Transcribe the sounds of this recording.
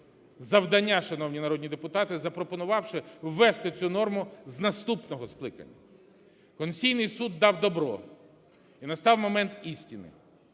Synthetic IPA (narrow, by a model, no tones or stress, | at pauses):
zɐwd̪ɐnʲːaʃɐnɔwnʲinɐɾɔd̪ʲnʲid̪epʊt̪ɑt̪ɪzɐpɾɔpɔnʊʋɑwʃɪwːɛst̪ɪt͡sʲunɔrmʊznɐst̪upnɔɦɔsklˠɪkɐ̰nʲːɐ̰ | kɔnsʲijnɪjsud̪ːɑwd̪ɔbɾɔ̰ | inɐst̪ɑwmɔmɛnt̪isʲtʲinɪ̰